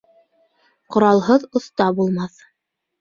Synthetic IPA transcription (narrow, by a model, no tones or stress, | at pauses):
qŏɾɑlˠɦɤðŏθt̪ɑbulˠmɑθ